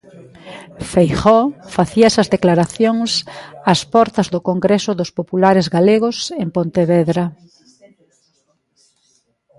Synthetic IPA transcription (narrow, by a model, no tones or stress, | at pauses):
fejχɔfaθiaɛsɐzðeklaɾaθjoŋsaspɔɾt̪ɐzðʊkoŋɡɾesʊðʊspopulaɾezɣaleɣʊsempont̪eβɛðɾa